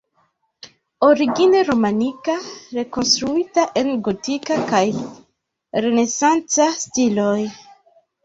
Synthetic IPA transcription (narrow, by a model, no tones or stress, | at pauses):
o̞ɾiɡineɾo̞manikaɾe̞ko̞nstɾuitaʔe̞nɡotikakaj | ɾe̞ne̞sant͡sastilo̞j